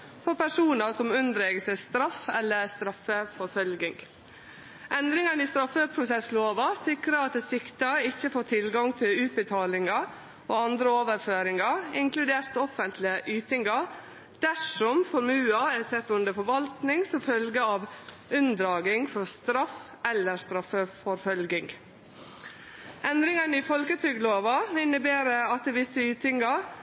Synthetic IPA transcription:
fɔɾpʰæʂuːnəsɔmʉnd̪ɾeːɡəsæɪst̪ɾɑfɛ̰lːəɾst̪ɾɑfːəfɔɾfœlɡɪŋ | ʔɛnd̪ɾɪŋɑnɪst̪ɾɑfːəpʰɾʊsɛsloːʋɑsɪkɾəɾɑt̪̚d̪ɛːsɪkt̪əɪçːəfoːʈ̪ʰɪlɡɑŋt̪ʰɪlʉːt̪̚bət̪ʰɑːlɪŋɑ | oːɑnd̪ɾəoːʋəɾføːɾɪŋɑɾɪŋklʉd̪eːɾt̪ɔfːənt̪ʰlɪəʔyːt̪ɪŋɑɾ | d̪̥æʂɔmfɔɾmʉːɑæsɛt̪ːʉnd̪əɾfɔɾʋɑlt̪nɪŋsɔmfœlɡəɑːʋ | ʉnd̪ɾɑːɡɪŋfɔɾst̪ɾɑf | ɛlːəɾst̪ɾɑfəfɔɾfœlɡɪŋ | ʔɛnd̪ɾɪŋɑnɪfɔlkət̪ʰyːɡloːʋɑɪnːəbeːɾəɑt̪̚ːɛʋɪsːəyːt̪ɪŋɑɾ

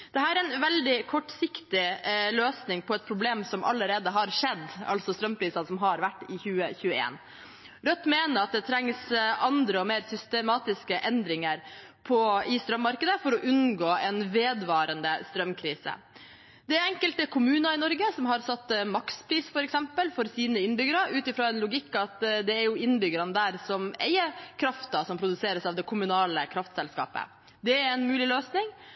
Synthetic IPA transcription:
d̪̥ɛɦæːɾɾɛnʋɛld̪ɪkʰɔʈːsɪkt̪ɪløːsnɪŋpʰɔɛt̪̚pʰɾʊbleːmsɔmʔɑ̰lːəɾeːd̪əɦɑɾʂɛd̪ːʔɑ̰lsɔst̪ɾœmːpʰɾiːsɑnsɔmɦɑɾʋæʈːɪçʉːəçʉːəḛːn | ɾœt̪ːmeːnəɾɑt̪̚d̪ɛt̪ʰɾɛŋsʔɑnd̪ɾəɔmeːɾsʏst̪əmɑːt̪ɪskəʔɛnd̪ɾɪŋəɾ | pʰɔɪst̪ɾœmːɑɾkəd̪əfɔɾɔʔʉnɡoːɛnʋeːd̪ʋɑːɾənd̪əst̪ɾœmkʰɾiːsə̰ | d̪̥ɛæɾɛŋkəlt̪əkʰʊmʉːnɑɪnɔɾɡəsɔmɦɑɾsɑt̪ːmɑkspʰɾiːsfɔɾɛksɛmpəlfɔɾsiːnəɪnbʏɡəɾɑʔʉːt̪ɪfɾoːɛnlʊɡɪkːɑt̪d̪ɛːɾjʊɪnbʏɡəɾɑnəd̪æːɾsɔmḛɪəkʰɾɑft̪ɑsɔmpʰɾʊd̪ʉseːɾəsɑːʋd̪ɛkʰʊmʉnɑːləkʰɾɑft̪sɛlskɑ̰ːpə̰ | d̪ɛɾɛnmʉːlɪløːsnɪŋ

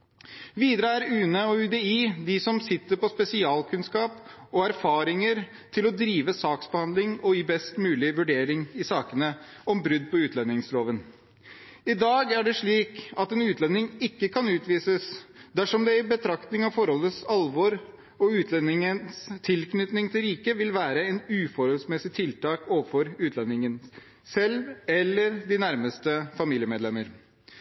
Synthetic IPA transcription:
ʋiːd̪ɾəæɾʉːnəɔʉːd̪ɛiːd̪ɪsɔmsɪt̪ːəɾpɔspɛsɪɑːlkʉnskɑːp | ɔæɾfɑːɾɪŋəɾ | t̪ʰɪlɔd̪ɾiːʋəsɑːksbəhɑnd̪lɪŋɔibɛst̪mʉːlɪʋʉɖeːɾɪŋɪsɑːkənəɔmbɾʏd̪̚ːpɔʉːt̪ʰlɛnːɪŋsloːʋən | ɪd̪ɑːɡæɖɛʂɭiːkɑt̪ɛnʉːt̪ʰlɛnːɪŋɪkːəkʰɑnʉːt̪ʋiːsəsd̪æʂɔmd̪ɛɪbət̪ʰɾɑkt̪nɪŋɑʋfɔɾhɔlːət̪sɑlʋɔɾ | ɔʉːt̪ʰlɛnːɪŋənst̪ʰɪlknʏt̪nɪŋt̪ʰɪlɾiːkəʋɪlʋæːɾəɛnʉːfɔɾhɔlsmɛsɪt̪ʰɪlt̪ɑːkoːʋəfɔɾʉːt̪ʰlɛnːɪŋən | sɛlʋɛlːəɾd̪ɪnæɾməst̪əfɑmiːljəmeːd̪lɛməɾ

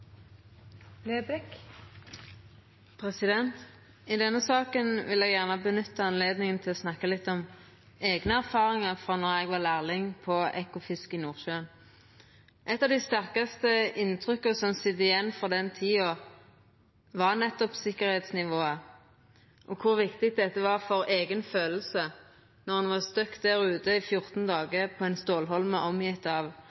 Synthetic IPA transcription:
leːbɾɪk | pʰʁɛsɪd̪ɛnt̪ | ɪd̪ɛnːəsɑːkənʋɪlɛːɡjæʁnbənʏt̪ːəɑnleːd̪nɪŋənt̪ʰɪlɔsnɑkːəlɪt̪ːɔm | eːɡnəæʁfɑːʁɪŋɑʁfʁɑːnɔʁɛɡʋɑʁlæːʁlɪŋpʰɔɛkʊfɪskɪnuːʁʃøːən | ʔɛt̪ːɑːʋd̪ɪst̪æʁkɑst̪əɪnt̪ʰʁʏkəsɔmsɪd̪ɪjɛnːfɔʁd̪ɛnt̪ʰiːɔ | ʋɑʁnɛt̪ːɔpsɪkːəʁheːt̪snɪʋoːə | ʔɔkʰʊʁʋɪkt̪ɪkd̪ɛt̪ːəʋɑːʁfɔʁeːɡənføːll̩sə | nɔʁhɑnʋɑʁst̪œkt̪̚d̪æʁʉːt̪əɪfjʊʁt̪nd̪ɑːɡəpʰɔɛnst̪oːlɦɔlməʔɔmjɪt̪ːɑʋ

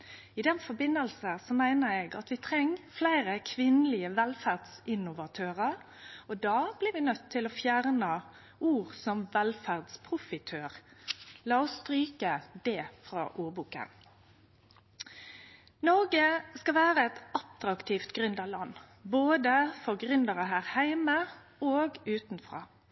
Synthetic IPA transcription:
ɪd̪ɛnfɔbɪnːəlsəsɔmæɪnəɾeːɡɑ̰t̪ʋɪt̪ʰʁɛŋːflæɪʁəkʰʋɪnəlɪəʋɛlfæʁd̪sɪnʊʋɑt̪ʰøːʁəɾ | ɔd̪ɑːb̥lɪɾʋɪnœt̪ʰːɪlɔfjæʁnə | ʔuːʁsɔmʋɛlfæʁd̪spʰʁʊfɪt̪ʰøːʁlɑːɔsst̪ʁyːkəd̪ɛːfɾɑ̰ːʔuːʁbuːkə̰n | nɔɾɡəskɑʋæːʁəɛt̪ɑt̪ɾɑkt̪ʰiːft̪ɡʁʉnd̪ɑʋlɑnː | boːd̪əfɔʁɡʁʏnd̪əʁəɦæːʁhæɪmə | oːɡʉːt̪nfʁɑ̰ː

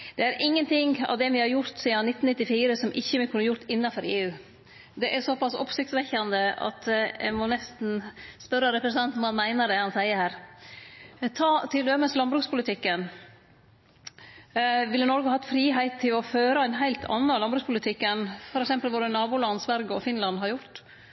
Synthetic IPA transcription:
d̪̥ɛæɾʔɪŋːənt̪ʰɪŋːɑ̰ʋd̪ɛmɪhɑɾjʊɾt̪siːɑnɪt̪ːn̩ɪt̪ːɪfiːɾəsɔmʔɪçːəʋɪkʰʉnːəɾjʊɾt̪ɪnːɑfɔɾeːʉː | d̪ɛʔæɾsɔpɑsɔ̰psɪkt̪sʋɛçɑnd̪əɑ̰t̪ɛ̰mɔnɛst̪n̩spœɾːəɾɛpɾəsənɛnt̪ɑnmæɪnəɖ̪ɛhɑnsæɪəɾhæːɾ | t̪ʰɑːt̪ʰɪld̪øməslɑnbɾʉːkspʰʊlɪt̪ʰɪkːən | ʋɪlːənɔɾɡəhɑhɑt̪fɾiːɦæɪt̪ʰːɪlɔføːɾɑæɪnɦæɪlt̪ʰɑ̰nːɑlɑnbɾʉːkspʰʊlɪt̪ʰɪkːənfɔɾɛksɛmpəlʋoːɾənɑːbʊlɑnsʋæɾɡəɔfɪnlɑnːɦɑɾjʊɾʈ̪

